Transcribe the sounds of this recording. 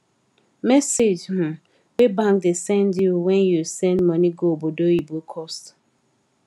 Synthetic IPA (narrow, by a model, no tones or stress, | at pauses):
mɛsed͡ʒm̩̃ | webãŋk̚desɛ̃ndjuwɛ̃njusɛ̃ndmɔ̃niɡobodoibukʰɔst